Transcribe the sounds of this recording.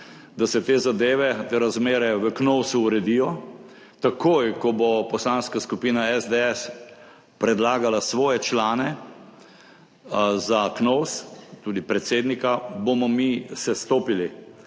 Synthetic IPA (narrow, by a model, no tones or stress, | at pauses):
d̪asɛt̪eːzad̪eːʋɛt̪eɾazmeːɾɛʋəknɔwsuːɾɛd̪ijɔ | t̪akojkɔbopɔslaːnskaskupiːnaɛzd̪eɛs | pɾɛd̪laːɡalasʋɔːjɛt͡ʃlaːnɛ | zaknɔwst̪uːd̪ipɾɛt̪seːd̪nikabomɔmisɛst̪oːpili